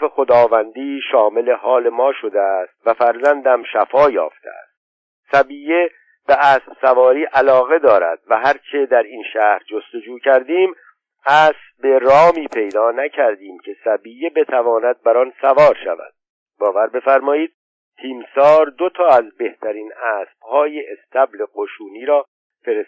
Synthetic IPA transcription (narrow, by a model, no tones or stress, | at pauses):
fexod̪ɒːvænd̪iːʃɒːme̞le̞hɒːle̞mɒːʃo̞d̪eæst̪væfæɾzænd̪æmʃæfɒːjɒ̰ːft̪ʰḛʔæ̰st̪̚ | sæbiːje | b̥eʔæːsbsævɒːɾiːʔælɒːɣe̞d̪ɒːɾæ̰d̪̥̚væɦæɾt͡ʃʰe̞d̪æɾinʃæːhɾd͡ʒo̞st̪o̞d͡ʒuːcʰæɾd̪iːm | æːs | be̞ɾɒːmiːpʰe̞jd̪ɒːnæcʰæɾd̪iːmcʲʰe̞sæbiːjebet̪ʰævɒːnæd̪̚bæɾɒnsævɒːɾʃæ̰væ̰d̪̥ | bɒːvæɾbe̞fæɾmɒːiːd̪̥̚ | t̪ʰiːmsɒːɾd̪ot̪ʰɒːæzbe̞ht̪ʰæɾiːnæːsb̥̚hɒːjeʔːst̪ʰæbleqoʃuːniːɾɒː | feɾe